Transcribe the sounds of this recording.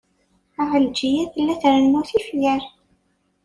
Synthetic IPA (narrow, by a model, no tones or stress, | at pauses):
aʁəld͡ʒijæθəlːæθɾənnuθifjæɾ